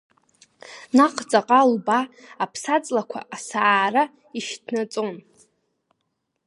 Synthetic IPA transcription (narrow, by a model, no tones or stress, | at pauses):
naqʼʰt͡sʼaqʼalbaːpʰsat͡sʼlakʷʰa̰asaaːra | iʃdnat͡sʼo̞n